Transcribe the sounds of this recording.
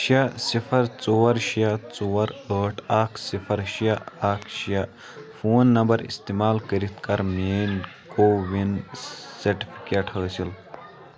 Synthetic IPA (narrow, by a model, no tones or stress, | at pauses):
ʃasifʰɐɾt͡soːɐɾʃijat͡soːɐɾəːʈʰaːkʰsifʰɐɾʃijaaːkʰʃija | fʰoːnːɐmbɐɾḭst̪imaːlkəɾit̪̚ʰkɐɾmeːnkoːʋinsɐɾʈi̥fʰi̥keːʈhəːsil